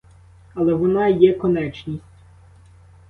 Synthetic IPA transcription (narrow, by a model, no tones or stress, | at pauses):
ɐlˠɛʋɔnɑjɛkɔnɛt͡ʃnʲisʲtʲ